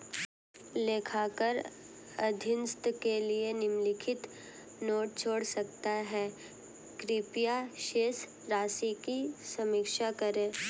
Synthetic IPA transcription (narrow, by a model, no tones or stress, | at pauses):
leːkʰakəɾ | ɐd̪ʱɪnst̪kelienɪmlɪkʰɪt̪ | noːʈ̚t͡ʃʰoːɽsɐkt̪aɦɛː | kɾɪpjaʃeːs | ɾaːsikisɐmɪkʃakɐɾẽː